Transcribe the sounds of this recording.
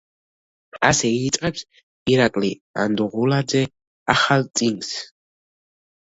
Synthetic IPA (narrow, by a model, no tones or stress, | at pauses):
asɛiːsʼqʼaks | iɾakʼlia̰nd̪uʁulad̪zɛ | aχalʼiŋɡs